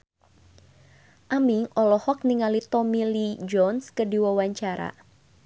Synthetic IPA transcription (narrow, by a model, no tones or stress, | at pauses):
ʔamiŋɔlɔhɔk̚niŋalit̪ɔmilid͡ʒɔnskədiwawaɲt͡ʃaɾa̰